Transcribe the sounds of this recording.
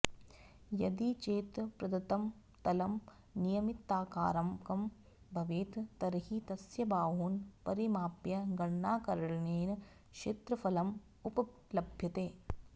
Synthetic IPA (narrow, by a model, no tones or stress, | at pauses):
jɐd̪it͡ʃeːt̪pɾɐd̪ɐt̪ɐm | t̪ɐlɐm | nijɐmit̪ːaːka̰ːɾɐmkɐm | bʱɐʋeːt̪t̪ɐɾɦit̪ɐsjɐbaːɦuːnpɐɾimaːpjɐɡɐɳːaːkɐɾɐɭɐneːn | kʃeːt̪ɾɐfɐlɐm | upɐ | lɐbʱjɐt̪eː